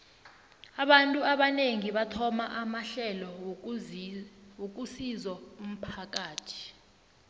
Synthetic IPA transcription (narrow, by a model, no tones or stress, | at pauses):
aɓantʼuaɓaneŋiɓatʰɔmaʔamaɬɛlɔ | wok̬ʼusizɔum̩pʰak̬ʼaːtʰi̥